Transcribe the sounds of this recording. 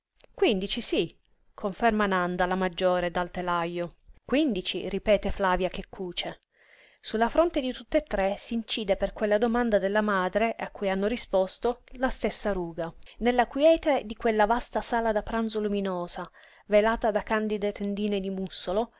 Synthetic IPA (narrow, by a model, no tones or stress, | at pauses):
kwind̪it͡ʃisi | kʰoɱfɛrmanand̪alamad͡ʒːoːɾed̪alt̪elajːokwind̪it͡ʃḭripɛːt̪eflaːvjak̟ekʰːuːt͡ʃe | sulːafɾont̪ed̪it̪ut̪ːet̪ːɾesiːnt͡ʃiːd̪eperkwelːad̪omand̪ad̪elːamaːd̪ɾeʔakːujanːoɾispɔst̪olast̪esːaɾuːɡanelːakwjɛːt̪ed̪ikwelːavast̪asaːlad̪apɾanzoluminoːza | velaːt̪ad̪akand̪id̪et̪end̪iːned̪imusːolo